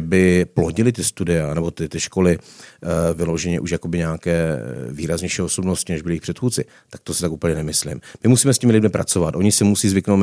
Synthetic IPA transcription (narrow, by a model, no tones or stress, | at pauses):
bɪploɟɪlɪt̪̬ɪst̪udɪanɛbo̞t̪ɪt̪ɪʃko̞lɪ | vɪlo̞ʒɛɲɛʔuʃjakobɪɲɛakɛːviːɾazɲɛjʃiːoso̞bnoscɪnɛʒbɪlɪjɪxpr̥ɛt̪xuːt̪t͡sɪ | t̪ak̚t̪osɪt̪akuːpəɲɛnɛmɪslɪ̰mmɪmusiːmɛscɪmɪlɪdmɪpɾat͡so̞vat̪ʔo̞ɲɪsɛmusiːzvɪknow